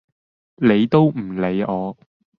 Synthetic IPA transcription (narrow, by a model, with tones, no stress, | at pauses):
le˨˧jt̪o˥wm̩˨˩le˨˧jɔː˨˧